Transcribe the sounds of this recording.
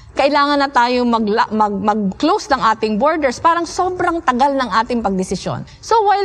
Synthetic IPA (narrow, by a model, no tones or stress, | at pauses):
kɐʔɪlaːŋɐnɐt̪aːjomɐɡmɐɡ̚mɐɡ̚klowsnɐŋʔaːt̪ɪŋboɹd̪ɛɹspaːɾɐŋso̞ːbɾɐŋt̪ɐɡalnɐŋʔaːt̪ɪŋpɐɡ̚d̪ɪsɪso̰n | sowɐj